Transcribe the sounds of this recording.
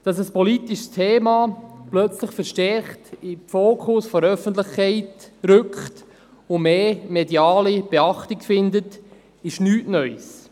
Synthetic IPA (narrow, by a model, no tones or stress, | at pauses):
d̥ɑs̬əspɔlit̪iʃstʰeːmɑplœt͡sləχfɛɾʃtɛɾχtɪfoːkʰʊsfɔɾœfəntlɪχkʰɛɪtɾʏkχt | ʊmeːmedjɑːlib̥eɑχtikfɪndət | ɪʃnyːtnœʏs